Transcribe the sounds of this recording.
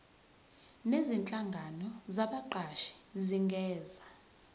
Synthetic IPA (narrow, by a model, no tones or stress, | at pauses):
nezint͡ɬʼaŋɡʱanɔzaɓaǃaʃi̥ziŋɡʱɛːza